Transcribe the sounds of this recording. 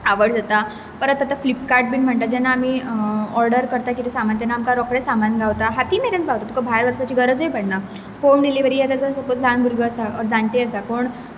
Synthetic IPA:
aʋəɽd͡zat̪a | pəɾət̪ːat̪əflipkaɾʈ̚biːnm̤əɳʈ̪ad͡ʑɛnːaːmiːɔɾɖəɾkəɾt̪ak̬it̪isamant̪ɛnːaːmkaɾɔkɽesamanɡaʋt̪aɦat̪iːmeɾənt̪bawt̪at̪ukabʱaɾʋəsʋat͡ɕiːɡəɾəd͡zojpəɽna | homɖiliʋəɾijet̪ad͡zasəpot͡sland̪uɾɡəəsaɔɾd͡zãɳteəsakoɳ

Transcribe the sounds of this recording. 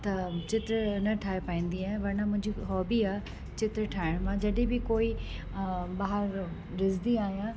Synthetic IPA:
t̪ɐt͡ɕɪt̪ɾnɐʈʰaːɦepaːĩːn̆d̪iaːɦɪ̃ʋɐɾnãmʊ̃ɦɪ̃ɲd͡ʑiɦɔːbiaː | t͡ɕɪt̪ɾʈʰaːɪɽ̃mãd͡ʑɐɗɪ̃bɪkoːi | baːɦəɾ | ɾɪzd̪iaːɦijã

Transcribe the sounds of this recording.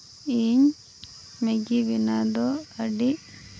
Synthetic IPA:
iːɲ | meɡiʋinad̪ɔɐɖi

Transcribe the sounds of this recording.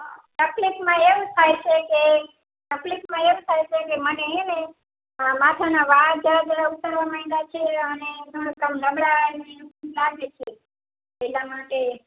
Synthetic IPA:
ʈəplikmãeʋũt̪ʰajt͡ʃʰeke | ʈəplikmãeʋũt̪ʰajt͡ʃʰekeməneɦene | amat̪ʰanaʋad͡ʒəɾad͡ʒəɾaut̪əɾʋamaɦĩd̪at͡ʃʰeəned͡ʒ̪oɽ̃əkəmləmɽanekmlaɡet͡ʃʰe | elamaʈe

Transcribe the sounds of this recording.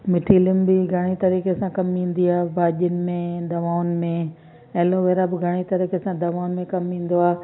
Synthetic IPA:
mɪʈʰiːlɪmbɪɡʱɐɽ̃it̪ɐɾiːkesãkɐmĩːn̆d̪iaːɦbʱaːʄənɪ̆mẽd̪ɐʋaːʊnmẽ | ɐɦloʋeːɾabɪɡʱɐɽ̃it̪ɐɾiːkesãd̪ɐʋaːʊnmẽkɐmĩːn̆d̪oaː

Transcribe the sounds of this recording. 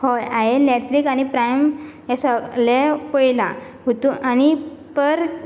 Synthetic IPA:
hojaɦeneʈflikañipɾajmjasəlepəjla | ɦut̪uanipəɾ

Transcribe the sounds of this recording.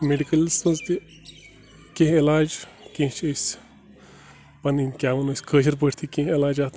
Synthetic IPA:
meɖikɐlismɐzt̪i | kʲẽɦelaːd͡ʒ | kʲẽt͡ʃʰəsʲ | pɐninkʲaːʋɐnoːsʲkʰəːʃ̬ɐɾpəʈʰt̪ʰikʲẽɦelaːd͡ʒaːt̪

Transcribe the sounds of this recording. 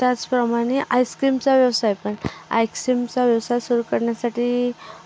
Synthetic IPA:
t̪jat͡spɾəmaɽ̃eʔajskɾimt͡saʋjəʋsajpəɳa̰jksɾimt͡saʋjəʋsajsuɾuːkəɾɳjasaʈʰiː

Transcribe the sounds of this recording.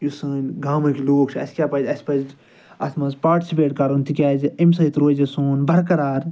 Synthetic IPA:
jusəːnʲɡaːmɨ̃kiloːɡt͡ʃʰɐ̰si̥kʲaːpɐd͡ʒʲɐspɐd͡ʒ | ɐ̰smɐspaːʈisipeːʈkɐɾont̪ʰikʲɛːd͡ʒemsɐit̪ɾoːd͡ʒɐsoːnbɐɾkɐɾaːɾ

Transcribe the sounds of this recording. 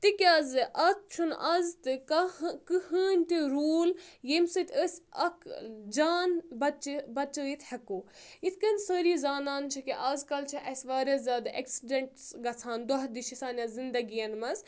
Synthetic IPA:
t̪ikʲaːzɨʔɐt̪̚t͡ʃʰunʔɐzt̪ɨkɐkɨhəːnʲt̪iɾuːljemsɨt̪ʰʲəsʲɐkd͡ʒaːnbɐt͡ʃibɐt͡ʃəjit̪ʰhɐkoː | it̪ʰkɐnsəːɾiːzaːnaːnt͡ʃʰikiʔaːzkɐlt͡ʃʰiʔɐsʲʋaːɾʲɐzʲaːd̪ʔɐ̰ksiɖɐɳʈsɡɐt͡sʰaːnd̪oɦɐd̪iʃisaːnʲɐzind̪ɐɡijɐnmɐz

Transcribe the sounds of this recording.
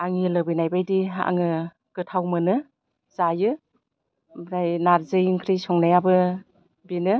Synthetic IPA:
aŋilɯbɯjnajbajdia̰ŋɯ | ɡ̥ɯtʰawmɯnɯ | zajɯ | bɾajnaɾzɯjiŋkʰɾijsɔŋnajabɯ | binɯ

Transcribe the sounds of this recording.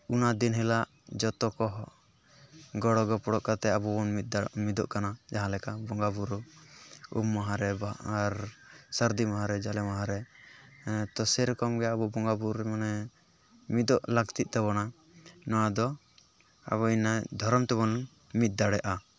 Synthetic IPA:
unad̪inɦɛlaʔ | d͡ʒɔt̪ɔkɔɦ | ɡɔɽɔɡɔpɔɽɔʔkat̪ɛabɔɔnt̪̚d̪amid̪ɔ̰ʔkanad͡ʒaɦãlɛkabɔŋɡabuɾɔ | ṵmːaɦãɾɛbaaɾsaɾd̪imaɦãɾɛd͡ʒalɛmaɦãɾɛ | t̪ɔsɛɾɔkɔmɡɛaabɔbɔŋɡabuɾɛmanɛ | mid̪ɔʔlaɡt̪it̪̚t̪aβɔna | nɔwad̪ɔ | a̰βɔinad̪ʱɔɾɔmt̪ɛβɔn | mit̪̚d̪aɽɛʔa

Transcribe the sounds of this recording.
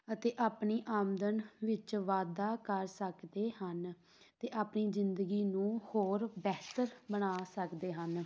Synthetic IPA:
ət̪eːʔaːpniːʔaːmd̪ənʋɪt͡ʃʋaːd̪aːkəɾsəkd̪eːhən | t̪eːʔaːpniːzɪnd̪əɡiːnũːhoːɾbɛːt̪əɾbəɽ̃aːsəkd̪eːɦən

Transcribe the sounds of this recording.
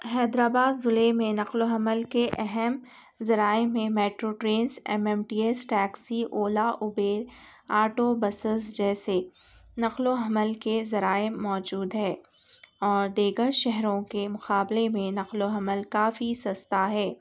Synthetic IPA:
hɛːd̪ɾaːbaːd̪zʊlemẽnɐqloɦɐməlkeʔɛɦɛm | zɐɾaːemẽmɛːʈɾoːʈɾeːnsɛ̰mɛːmʈiːɛsʈɛːksiʔoːlaʔʊbeːɾ | aːɾʈobɐsəzd͡ʒɛːse | nɐqloɦɐməlkezɐɾaːɪmːɔːd͡ʒuːd̪ɦɛː | ɔːɾd̪eːɡəʃɛɦɾõkemʊqaːblemẽnɐqloɦɐməlkaːfisɐst̪aɦɛː

